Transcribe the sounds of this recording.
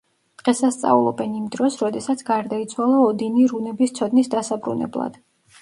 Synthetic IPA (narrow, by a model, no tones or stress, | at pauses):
d̪̥ʁɛsast̪sʼa̰ulˠɔ̰bɛnimd̪ɾɔsɾɔd̪ɛsat̪sʰɡaɾd̪ait̪sʰwalˠaɔd̪iniɾunɛbist̪sʰɔd̪nisd̪asabɾṵnɛ̰blˠa̰d̪̥